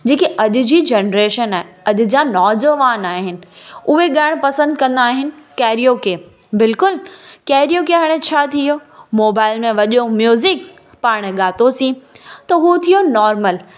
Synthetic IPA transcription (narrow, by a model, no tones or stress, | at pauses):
d͡ʑeːkiɐʄ̪ʊ̆d͡ʑiːd͡ʑenɾeːʃənaːɦeɐʄ̪ʊ̆d͡ʑanɔːd͡ʑəʋaːnaːɦɪnɪ̆ʊɦeɠaːɪɽ̃pɐsə̃nd̪̚kɐ̃nd̪aːɦɪnɪ̆kɛːɾijokeː | bɪlkʊlkɛːɾijoːk̬eɦaɽ̃ẽt͡ɕʰat̪ʰijomoːbaːɪlmẽʋɐʄomjuːzɪk | paːɽ̃ɠaːt̪osĩt̪ɐɦut̪ʰijonɔːɾməl